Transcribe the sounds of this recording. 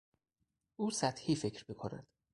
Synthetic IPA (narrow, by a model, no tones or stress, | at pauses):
ʔuːsæt̪hiːfecʰɾmikʰonæ̰d̪̥